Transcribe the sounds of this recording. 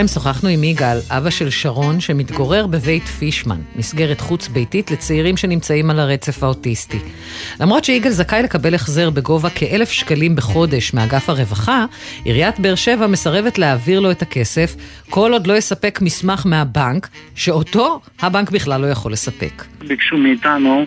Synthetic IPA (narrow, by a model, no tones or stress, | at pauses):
emso̞χaχnuimiɡalʔabaʃe̞lʃaʁo̞nʃe̞mit̪ɡo̞ʁe̞ʁbe̞ve̞jtfiʃma̰nmisɡe̞ʁetχut͡sbejtitle̞t͡seiʁimʃe̞nimt͡saimalaʁe̞t͡se̞fao̞tisti | lamʁo̞tt͡ʃʃeiɡelzakajle̞kabe̞leχzeʁbe̞ɡo̞vakʰeʔe̞lefʃkalimbe̞χo̞de̞ʃmeaɡafhaʁe̞vaχaʔḭʁjatbeeːʁʃe̞vame̞saʁe̞vetleaviʁlo̞etake̞se̞f | ko̞lo̞dlo̞jesape̞kmismaχmeɦabank | ʃe̞o̞to̞ | habaŋkbiχlalːo̞jaχo̞le̞sape̞̰kbikʃumeitanu